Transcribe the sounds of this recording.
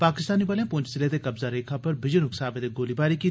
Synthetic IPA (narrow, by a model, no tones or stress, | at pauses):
paːkɪst̪aːnibɐːlẽpʊ̃ːɲt͡ʃsɪled̪ekɐbzaɾeːkʰapɐɾbɪd͡ʒənʊksaːbed̪eɡoːlibaːɾikiː